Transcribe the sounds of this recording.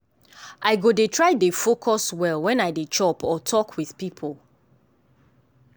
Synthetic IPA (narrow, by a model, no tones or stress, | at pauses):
aɪɡodetʰɹaɪdefokʰɔswɛlˠwɛ̃naɪdet͡ʃɔpʰɔtʰɔkʰwið̥pipʰɔlˠ